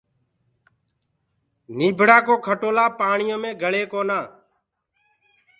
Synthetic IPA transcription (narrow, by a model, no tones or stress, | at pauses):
niːbʱɽaːkoːkʰəʈoːlaːpaːɳɪjõːmẽːɡʱəɭeːkoːnaː